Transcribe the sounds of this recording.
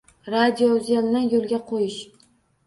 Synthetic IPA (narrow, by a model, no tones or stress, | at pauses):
ɾad̪ʲiozalnanjolˠɡʲaqʰojɪʃ